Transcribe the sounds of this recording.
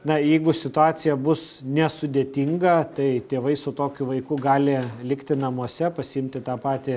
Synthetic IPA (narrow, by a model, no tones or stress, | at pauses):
nɐjɛɪɡʊsʲɪt̪ʊɑːt̪sʲɪjɛbʊs | nʲɛsʊd̪ʲeːt̪ʲɪŋɡɐt̪ɐɪt̪ʲeːʋɐɪsʊt̪oːkʲʊʋɐɪkʊɡɑːlʲɪlʲɪkt̪ʲɪnɐmuɔsʲɛpɐsʲɪɪmʲt̪ʲɪt̪ɑːpɑːt̪ʲɪ